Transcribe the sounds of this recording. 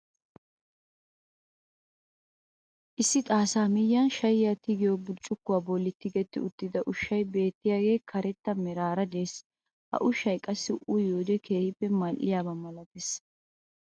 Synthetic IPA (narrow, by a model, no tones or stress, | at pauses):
ʔɪsːɪt̪ʼaːsaːmɪjːɐnʃɐjɪjat̪ɪɡɪjobʊt͡ʃʼːʊkːʊwaːbɔlːɪt̪ːɪɡɛt̪ːɪʊt̪ːɪd̪ɐʔʊʃːɐjbe̞ːt̪ːɪjaːɡe̞ːkʰɐɾɛt̪ːɐmɛɾaːɾɐd̪e̞ːs | hɐ̰ʔʊʃːɐjkʼɐsːɪʊʔʊjoːd̪ɛkʰeːɾɪpːɛmɐʔːɪjaːβɐmɐlɐt̪es